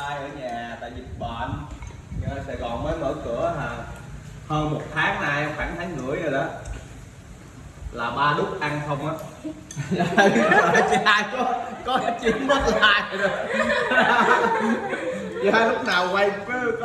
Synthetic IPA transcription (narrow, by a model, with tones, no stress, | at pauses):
aː˧jʔəː˧˩ɲaː˨˩t̪a̰ː˧˨jzi˨˩t̚ɓa̰ː˧˨n˧ | aː˧sɛ˧˩ɣɔ˨˩nməː˨˦jmə̰ː˧˩kɨ̰˧˩əɦaː˨˩ | həː˧nmo˨˩t̚t̪ʰaː˨˦ŋnaː˧jxwaː˧˩ŋt̪ʰa˨˦ŋŋɨ̰˧˩˥əjzə˨˩jɗə˨˦ | laː˨˩ɓaː˧lʊ˦˥k͡p̚ʔa˧nxʰə˧wŋ͡mʔaː˨˦˧ | t͡ɕa˧kɔ˨˦kɔ˨˦t͡ɕi˨˧˦ənmə˦˥t̚laː˧˩j | t͡ɕaː˧lʊ˦˥k͡p̚naː˨˩wwa˧jfɨ˨˦k